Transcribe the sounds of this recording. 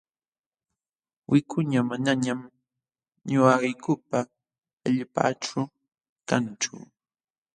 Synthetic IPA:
wʔɪkʰʊɲamanaɲam | ɲʊaɢɪjkʊpa | aʎpa̰ːʈ͡ʂʊ | kant͡ʃʊ̰

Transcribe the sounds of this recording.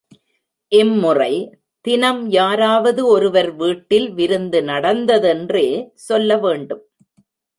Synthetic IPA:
ʔɛmːʊrɐɪ | t̪ɪnɐmjaːɾaːʋɐðɯɔɾɯʋɐɾʋiːʈːɪlʋɪɾɯnd̪ɯnɐɽɐnd̪ɐðɛndreːsɔlːɐʋeːɳɖɯm

